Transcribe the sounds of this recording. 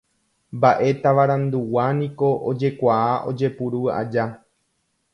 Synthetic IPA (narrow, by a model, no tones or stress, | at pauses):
mbaʔe̞t̪aʋaɾãnd̪uwanĩko̞ʔod͡ʒe̞kʷaaʔo̞d͡ʒe̞puɾua̰d͡ʒa